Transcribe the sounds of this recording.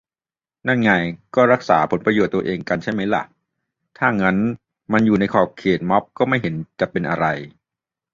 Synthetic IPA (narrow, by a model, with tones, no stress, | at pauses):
na˥˩nŋa˧jkɔː˥˩ɾa˦˥k̚saː˩˦pʰo˩˦npɾa˧joː˨˩t̪ːu˧ɐ˧ʔeː˧ŋka˧nt͡ɕʰa˥˩jma˦˥jla̰˨˩ʔ | t̪ʰaː˥˩ŋa˦˥n | ma˧njuː˨˩na˧jkʰɔː˨˩p̚kʰːeː˨˩t̪̚mɔ˦˥p̚kɔː˥˩ma˥˩jɦe˩˦nt͡ɕa˨˩pe˧nʔa̰˧ɾa˧j